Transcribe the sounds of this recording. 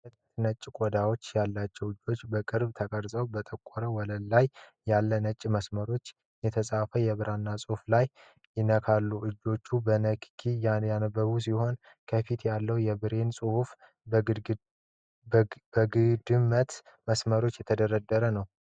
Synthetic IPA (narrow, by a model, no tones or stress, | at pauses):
sət̪ʼət̪nət͡ʃʼːkʼɔd̪awo̞t͡ʃːjalːat͡ʃːɛwɨd͡ʒːo̞t͡ʃːbəkʼɨɾbt̪ʰəkʼəɾsʼəwbət̪ʼəkʼːɔɾəwɔləlːajː | alːənət͡ʃʼːməsməɾo̞t͡ʃː | jɛt̪ʰəsʼafəjɛβɨɾʔanːasʼuhflaj | jɪnəkʰalːuʔɨd͡ʒːo̞t͡ʃːubənəkkʰijajanəbəβus̬iho̞n | kʰəfit̪jalːəwjɛbɨɾe̞nsʼuhuf | bəɡɨd̪ɨmːət̪məsməɾo̞t͡ʃːjɛt̪ʰəd̪əɾəd̪ːəɾənəw